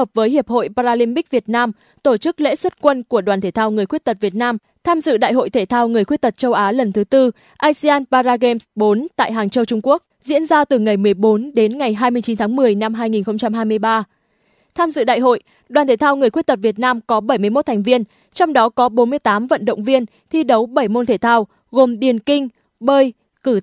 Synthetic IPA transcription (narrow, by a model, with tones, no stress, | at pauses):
əː˨˩p̚vəː˨˦jɦi˨˩əp̚ho̰˧˨jpaː˧ɾaː˧li˧mɓi˦˥k̚vi˨˩ət̚naː˧m | t̪o˧˩t͡ɕɨ˦˥k̚lḛ˧˥swə˦˥t̚kwə˧nku˧˩əɗwaː˨˩nt̪ʰe˧˩t̪ʰaː˧wŋɨ˨˩əjxwi˦˥ət̚t̪ə˨˩t̚vi˨˩ət̚naː˧m | t̪ʰaː˧mzɨ̰˧˨ɗa̰ː˧˨jɦo̰˧˨jt̪ʰe˧˩t̪ʰaː˧wŋɨ˨˩əjxwi˦˥t̚t̪ə˨˩t̚t͡ɕə˧wʔaː˨˦lə˨˩nt̪ʰɨ˨˦t̪ɨ˧ | ʔaː˧si˧aː˧npaː˧zaː˧ɣe˧msɓo˨˦nt̪a̰ː˧˨jɦaː˨˩ŋt͡ɕə˧wt͡ɕʊ˧ŋ͡mku˦˥ək̚zḭ˧˥ənzaː˧t̪ɨ˨˩ŋa˨˩jmɨ˨˩əjɓo˨˦nɗe˨˦nŋa˨˩jɦaː˧jmɨ˧ət͡ɕi˨˦nt̪ʰaː˨˦ŋmɨ˨˩əjna˧mɦaː˧jŋi˨˩nxə˧wŋ͡mt͡ɕa˧mɦaː˧jmɨ˧əjɓaː˧ | t̪ʰaː˧mzɨ̰˧˨ɗa̰ː˧˨jɦo̰˧˨j | ɗwaː˨˩nt̪ʰe˧˩t̪ʰaː˧wŋɨ˨˩əjxwt̚t̪ə˨˩t̚vi˨˩ət̚naː˧mkɔ˨˦ɓə˧˩jmɨ˧əjmo˦˥t̚t̪ʰa˨˩ŋ̟vi˧ən | t͡ɕɔ˧wŋ͡mɗɔ˨˦kɔ˨˦ɓo˨˦nmɨ˧əjt̪aː˨˦mvə̰˧˨nɗə̰˧˨wŋ͡mvi˧ən | t̪ʰi˧ɗə˨˦wɓə˧˩jmo˧nt̪ʰe˧˩t̪ʰaː˧w | ɣo˨˩mɗi˨˩ənkï˧ŋ̟ | ɓəː˧j | kɨ˧˩